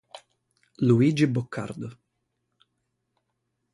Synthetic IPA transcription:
luid͡ʒibɔkʰːa̰ɾd̪ɔ

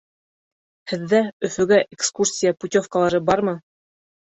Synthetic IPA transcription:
hɘ̆ðːæɵ̆fɵ̆ɡæʔekskursʲijaput̪ʲofkəlˠɑɾɤbɑɾmɤ

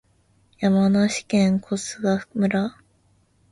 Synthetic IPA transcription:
jamanaɕi̥kẽŋkʰosɨɡamɯ̟ɾa

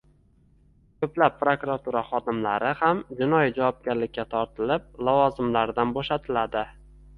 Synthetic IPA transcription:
kʰɵplapːɾokɾat̪ʰuɾaχɒd̪ɪmlaɾɪhamd͡ʒɪnɒjid͡ʒavɒp̚ɡʲaɾlɪkʲːat̪ʰɒɾt̪ʰɪlɪp̚lˠɒvɒzɪmlaɾd̪anboʃat̪ʰɪlad̪ɪ

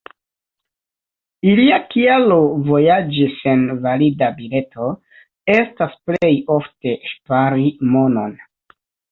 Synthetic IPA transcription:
iliakialo̞vo̞jad͡ʒisenvalidabile̞tʰo̞ | e̞stasple̞jo̞fte̞ʃpaɾimo̞no̞n

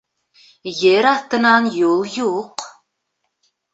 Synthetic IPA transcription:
jeɾɑθt̪ə̆nɑnjulˠjuq

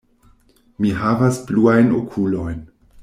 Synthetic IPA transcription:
miɦavasbluajnokʰulo̞jn

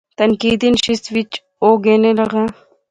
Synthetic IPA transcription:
t̪ɐnkiːd̪inʃist̪ʋit͡ʃ | oːɡeːnelɐɡa

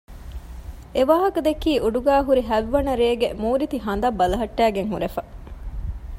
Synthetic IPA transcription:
eʋaːɦɐkɐd̪ekːiːʔuɖuɡæːɦuɾiɦæʋːɐnɐɾeːɡemuːɾit̪iɦɐnd̪ɐbːɐlɐɦɐʈːæːɡeŋɦuɾefɐ

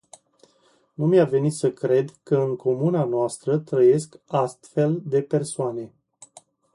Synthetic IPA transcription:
numiave̞nit̪səkɾe̞d̪kəɨŋkʰo̞munanoast̪ɾət̪ɾəje̞skast̪fe̞ld̪e̞pe̞rsoane̞

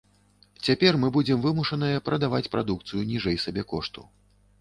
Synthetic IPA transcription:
t͡sʲapʲɛrmɨbud͡zʲɛmvɨmuʂɐnɨjɐpɾɐd̪avat͡sʲpɾʔad̪ukt̪sɨjunʲiʐɛjsabʲɛkɔʂt̪ṵ

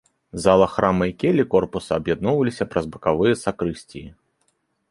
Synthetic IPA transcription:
zalˠɐxɾamɐikʲɛlʲikɔrpusɐːbjad̪nɔwvɐlʲisʲɐpɾɐzbɐkavɨjɐsakɾɨsʲt͡sʲiji

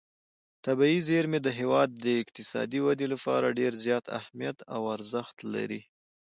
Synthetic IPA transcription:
t̪abaizeɾmed̪əɦewɑd̪ːəɪk̚t̪ɪsɑ̰d̪iwad̪elapɑ̰ɾaɖeɾzjɑt̪a̰hmijat̪awaɾzəxt̪la̰ɾi

